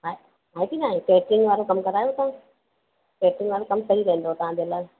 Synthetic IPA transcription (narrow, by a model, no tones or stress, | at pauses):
ɦaː | ɦaːẽp̪inaːẽkeːʈɪ̃ŋɡʋaːɾokɐmkɐɾaːjot̪ɐʋã | keːʈɪ̃ŋɡʋaːɾokɐmsɐɦiɾɐ̃ɦə̃nd̪oːt̪ɐʋãd͡ʑelaː